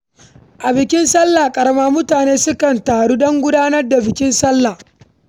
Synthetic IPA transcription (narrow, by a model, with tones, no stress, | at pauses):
ʔa˨bɪ˨kʲɪ˦nsɐ˦lːa˨kʼɐ˨ɾɐ˦maː˦mʊ˦taː˨neː˦sʊ˦kɐ˨ntaː˨ɽuː˦dɔ˦ŋɡʷʊ˦daː˦nɐ˦rda˨bɪ˨kʲɪ˦nsɐ˦lːa˨